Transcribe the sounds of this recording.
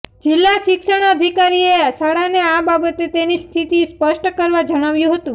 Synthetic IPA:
d͡ʒɪlːaʃɪkʃəɽ̃əd̪ʱikaɾiesaɽaneababət̪et̪enist̪ʰit̪ispəʃʈəkəɾʋad͡ʒəɽ̃aʋjũɦət̪ũ

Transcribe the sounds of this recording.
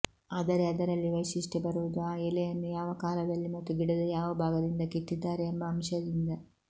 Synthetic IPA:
aːd̪ɐɾeɐd̪ɐɾɐlːiʋɐjʃiʂʈebɐɾuʋud̪uaːɛlɛjɐnːujaːʋɐkaːlɐd̪ɐlːimɐt̪ːuɡiɽɐd̪ɐjaːʋɐbʱaːɡɐd̪ind̪ɐkit̪ːid̪ːaːɾeːmbɐːmʃɐd̪ind̪ɐ

